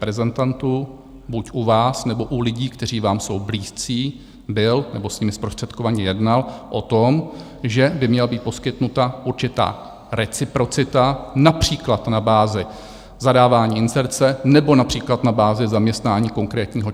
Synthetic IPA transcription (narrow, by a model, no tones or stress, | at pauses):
pɾɛzɛnt̪ant̪uː | bucʔuvaːsnɛbo̞ʔulɪɟiːkt̪ɛr̝iːvaːmso̞wbliːst͡siː | bɪlnɛbo̞sɲimɪspɾost̪r̥ɛt̪kovaɲɛjɛdnalʔot̪om | ʒɛbɪmɲɛlabiːt̪̚po̞skɪt̪nut̪aʔuɾt͡ʃɪt̪a̰ː | ɾɛt͡sɪpɾo̞t͡sɪt̪anapr̝̥iːklat̪nabaːzɪ | zadaːvaːɲiːɪnsɛɾt͡sɛnɛbo̞napr̝̥iːklat̪nabaːzɪzamɲɛst̪naːɲiːko̞ŋkɾɛːt̪ɲiːɦo